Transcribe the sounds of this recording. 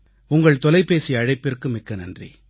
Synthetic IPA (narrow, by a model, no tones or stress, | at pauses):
ʊŋɡɐɭt̪ɔlɐɪpːeːsiɐɻɐɪpːɪrkɯmɪkːɐnɐndrḭ